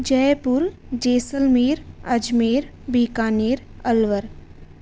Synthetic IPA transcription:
d͡ʒɛːpuɾd͡ʒeːsəlmieːɾɐd͡ʒmeːɾ | biːkaːneːɾɐlʋəɾ

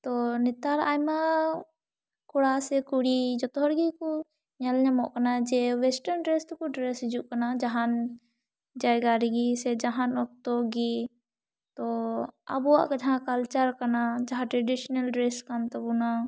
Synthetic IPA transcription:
t̪ɔnit̪aɾajma | kuɽasɛkuɽid͡ʒɔt̪ɔɦɔɾɡikɔ | ɲalɲamɔʔkanad͡ʒɛwɛsʈəɾnɖɾɛst̪kɔɖɾɛsd͡ʒuʔkanad͡ʒaɦan | d͡ʒajɡaɾiɡisɛd͡ʒaɦanɔk̚t̪ɔɡi | t̪ɔa̰buwaʔkɛd͡ʒaɦãkalt͡ʃaɾkanad͡ʒaɦãʈɾeɖisɔnalɖɾɛskamt̪ɔbuna

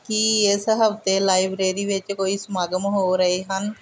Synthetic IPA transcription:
kiɪsɦəft̪elaːibɾeːɾiːʋɪt͡ʃkoːismaːɡəmɦoːɾəɦeɦən

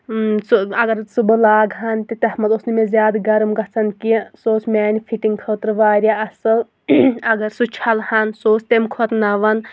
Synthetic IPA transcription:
suɐɡɐɾsubɨlaːɡɦɐnt̪it̪ɐhmɐt̪osnimezʲjaːd̪ɡɐɾmɡɐt͡sʰɐnkisoːt͡smʲaːnʲpʰiʈiŋɡkʰəːt̪ɾʋaːɾʲaɐsɨ | ɐɡɐɾsut͡ʃʰɐlhɐnsoːsʰt̪emkʰot̪nɐʋɐn

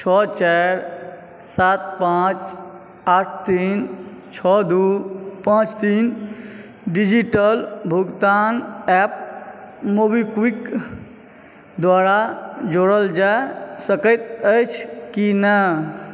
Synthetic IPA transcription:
t͡ʃʰɔt͡ʃaɾ | sat̪̚pãt͡ʃ | aʈ̚ʰt̪in | t͡ʃʰɔd̪upãt͡ʃt̪in | ɖid͡ʒiʈəlbʱuɡt̪anɛp̚ | mobikwik | d̪waɾad͡ʒoɽəld͡ʒasəkəɪt̪əjt͡ʃʰkinə

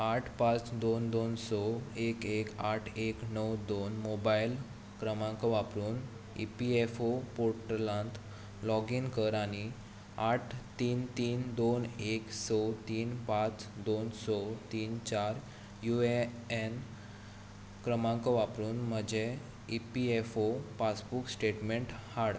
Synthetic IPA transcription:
aʈʰpat͡sd̪ond̪onsɔekekaʈʰeknəwd̪onmobail | kɾəmãŋkɔʋapɾuːn | ḭpiefopoɾʈəlãnt̪ʰ | lɔɡinkəɾaɽ̃i | aʈʰt̪iːnt̪iːnd̪oneksɔt̪iːnpat͡sd̪onsɔt̪iːnt͡ɕaɾ | jueen | kɾəmãŋkɔʋapɾuːnm̤əd͡ʑe | ipiefopat͡sbuksʈeʈmeɳʈhaɽ

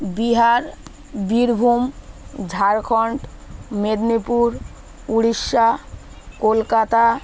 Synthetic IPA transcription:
biɦaɾ | biɾbʱumd͡ʑʱaɾkʰɔɳʈmed̪nipuɾ | uɽiʃːa | kolkat̪a

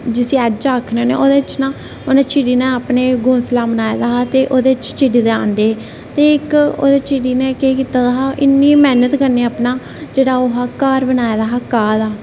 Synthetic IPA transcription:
d͡ʒɪsĩːɛːd͡ʒt͡ʃaːkʰneoːneːʔoːd̪eːɪt͡ʃnãː | onẽːt͡ʃʰɪɽiːnẽːaːpneːɡõːnslaːbənaːed̪aːt̪eːʔoːd̪eːɪt͡ʃt͡ʃʰɪɽiːd̪eãːnd̪eː | t̪eːɪko̰ːd̪eːt͡ʃʰɪɽiːnẽːkeːkiːt̪aːd̪aːɦaːʔɪnːĩːmɛːnət̪kəɾneːaːpnaː | d͡ʒeːɽaːoɦaːkaːɾbənaːed̪aːɦaːkaːlaː

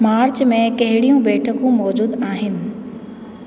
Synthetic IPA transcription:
maːɾt͡ɕmẽkɐɦɪɽijũbeːʈʰəkũmɔːd͡ʑuːd̪aːɦɪnɪ̆

